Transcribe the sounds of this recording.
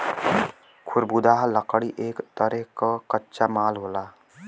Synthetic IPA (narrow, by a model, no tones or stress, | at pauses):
kʰʊɾbud̪aːɦləqɽiʔeːkt̪əɾɛɦkakətːʃamaːlɦoːlaː